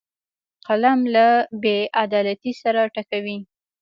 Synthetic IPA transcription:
qalamlabeʔad̪ɑlat̪isaɾaʈakawi

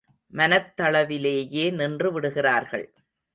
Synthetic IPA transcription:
mɐnɐt̪ːɐɭɐʋɪleːjeːnɪndrɯʋɪɽɯɣɪraːɾɣɐ̰ɭ

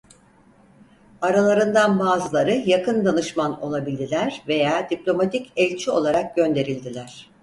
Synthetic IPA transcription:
aɾalˠaɾɯnd̪anbaːzɯlˠaɾɯjakɯnd̪anɯʃmano̞̰lˠabilʲd̪ilʲæɾ̥ve̞jaːd̪iplʲo̞mat̪ʰicɛlʲt͡ʃʰio̞̰lˠaɾak̚ɟø̞nd̪e̞ɾilʲd̪ilʲæɾ̥

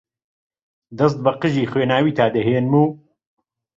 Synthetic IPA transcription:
d̪ɐs̬t̪̚bɐqɨʒiːxweːnaːwiːt̪ʰaːd̪ɛɦeːnmuː

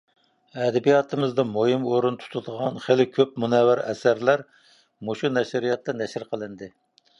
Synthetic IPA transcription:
ɛd̪ɛbijɑt̪ʰɨmɨzd̪ɑmojimoɾunt̪ʰu̥t̪ʰud̪əʁɑnχelɪkʲʰøp̚munɛwɪɾɛ̰sæɾlæɾ | moʃunɛʃɾijɑt̪ːɑnɛʃɪɾqʰəlˠɨnd̪ɨ

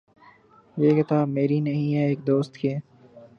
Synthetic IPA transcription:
jeːkɐt̪aːmeːɾinəɦĩɦɛːeːk̚d̪oːst̪keː

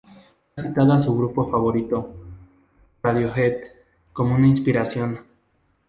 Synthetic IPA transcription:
sit̪aðoasuɣɾupo̞faβo̞ɾit̪o | aðjo̞xet̪ | ko̞mounainspiɾasjo̞n

